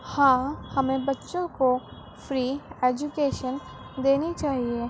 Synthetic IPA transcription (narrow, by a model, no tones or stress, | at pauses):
hãːhɐmẽbɐtːʃõko | fɾiːeːd͡ʒukeːʃən | d̪eːnit͡ʃaːɦie